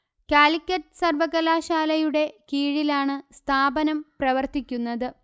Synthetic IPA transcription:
kaːlikʲːɐtːɨsɐrʋɐɣɐlaːɕaːlɐjuɽe̞kiːɻilaːɳɨst̪ʰaːbɐnɐmprɐʋɐrt̪ikʲːunːɐðɨ

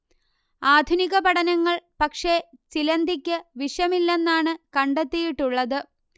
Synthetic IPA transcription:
aːd̪ʱuniɣɐpɐɽɐnɐŋːɐɭpɐkʂe̞t͡ɕilɐnd̪ikʲːɨʋiʂɐmilːenːaːɳɨkɐɳɖet̪ːijiʈːuɭːɐðɨ

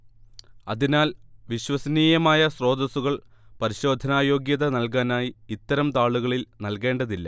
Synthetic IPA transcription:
ɐðinaːlʋiɕwɐsɐniːjɐmaːjɐsro̞ːd̪ɐsuɣɐɭpɐɾiɕo̞ːd̪ʱɐnaːjo̞ːɡjɐðɐnɐlk̬aːnaːjiːt̪ːɐɾɐmt̪aːɭuɣɐɭilnɐlke̞ːɳɖɐðilːɐ

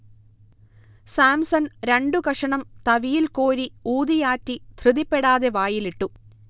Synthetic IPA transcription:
saːmsɐnɾeɳɖukɐʂɐɳɐmt̪ɐʋijilkoːɾiuːd̪ijaːtːit̪ʰrɨðipːeɽaːðeʋaːjiliʈːu

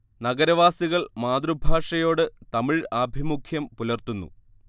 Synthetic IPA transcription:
nɐɡɐɾɐʋaːsiɣɐɭmaːd̪rubʱaːʂɐjo̞ːɽɨt̪ɐmiɻɐːbʱimukʰjɐmpulɐrt̪unːṵ

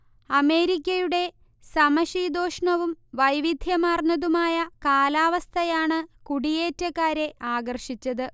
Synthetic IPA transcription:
ɐme̞ːɾikʲːɐjuɽe̞ | sɐmɐɕiːd̪o̞ːʂɳɐʋumʋɐjʋid̪ʱjɐmaːrnɐðumaːjɐkaːlaːʋɐst̪ʰɐjaːɳɨkuɽije̞ːtːɐkːaːɾe̞ʔaːɡɐrʂit͡ɕːɐðɨ

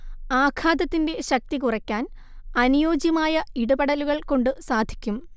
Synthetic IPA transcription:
aːkʰaːd̪ɐt̪ːinde̞ɕɐk̚t̪ikurɐkʲːaːn | ɐnujo̞ːd͡ʑjɐmaːjɐiɽubɐɽɐluɣɐɭko̞ɳɖɨsaːd̪ʱi̥kʲːum

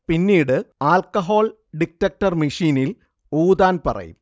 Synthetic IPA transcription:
pinːiːɽɨaːlkɐɦo̞ːl | ɖik̚ʈːɐk̚ʈɐrmiʂiːnil | uːd̪aːnpɐ̰rɐ̰jṵm

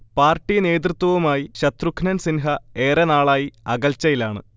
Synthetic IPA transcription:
paːrʈːine̞ːd̪rɨt̪wɐʋumaːjiɕɐt̪rukʰnɐnsinɦɐe̞ːrenaːɭaːjiɐɣɐlt͡ɕːɐjilaːɳɨ

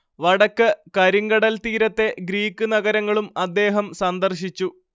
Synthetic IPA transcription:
ʋɐɽɐkːɨkɐɾiŋɡɐɽɐlt̪iːɾɐt̪ːe̞ɡɾiːkːɨnɐɣɐɾɐŋːɐɭumɐd̪ːe̞ːɦɐmsɐnd̪ɐrɕit͡ɕːu

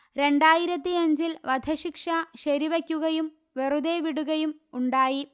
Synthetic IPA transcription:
ɾe̞ɳɖaːjiɾɐt̪̬ːiɐɲd͡ʑilʋɐd̪ʱɐɕikʂɐɕɐɾiʋɐkʲːuɣɐjum | ʋerud̪eʋiɽuɣɐjumuɳɖaːji

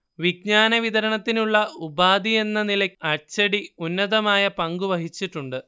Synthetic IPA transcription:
ʋiɡ̚ɲaːnɐʋid̪ɐɾɐɳɐt̪ːinuɭːɐubaːd̪ie̞nːɐnilɐɐt͡ɕɐɽiunːɐðɐmaːjɐpɐŋɡuʋɐɦit͡ɕːiʈːuɳɖɨ

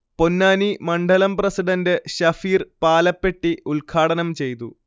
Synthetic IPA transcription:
po̞nːaːnimɐɳɖɐlɐmprɐsiɖɐndɨɕɐfiːrpaːlɐpːe̞ʈːiulkʰaːɽɐnɐmt͡ɕe̞jt̪u

